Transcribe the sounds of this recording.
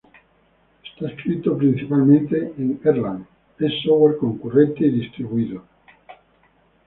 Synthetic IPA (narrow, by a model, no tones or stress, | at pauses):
est̪aeskɾit̪opɾinθipalmẽnt̪eeŋeɾlan | esoweɾkoŋkurent̪eːðist̪ɾiβuiðo